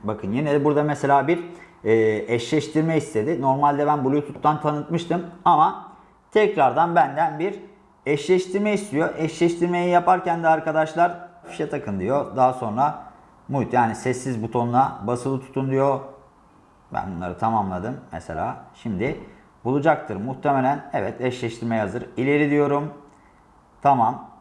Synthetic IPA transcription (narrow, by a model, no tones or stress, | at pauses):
bakʰɯnjined̪ɛbuɾd̪amɛselʲaːbiɾɛːɛʃlʲɛʃt̪ʰiɾmɛist̪ʰe̞d̪ino̞ɾmalʲd̪ɛbænbulʲut̪ʰut̪ːant̪ʰanɯt̪mɯʃt̪ʰɯmama | t̪ʰɛcɾaɾd̪anbænd̪ænbiɾ | ɛʃlʲɛʃt̪ʰiɾmɛist̪ʰijoʔɛʃlʲɛʃt̪ʰiɾme̞jijapaɾcænd̪iaɾkad̪aʃlˠaɾhafi̥ʃɛt̪ʰakʰɯnd̪ijo̞d̪aɦaso̞nɾa | mut̪jaːnisɛsːizbut̪ʰo̞nunabasɯlˠɯt̪ʰu̥t̪ʰːund̪ijo̞ | bæ̰nbunˠa̰ɾɯt̪ʰamamlˠad̪ɯmːɛ̰selʲa̰ːʃimd̪ɪ | bulˠud͡ʒak̚t̪ʰɯɾmuht̪ʰemelʲænɛvɛt̪ʰɛʃlʲɛʃt̪ʰiɾmɛjazɯɾilʲe̞ɾid̪ijo̞ɾum | t̪ʰamam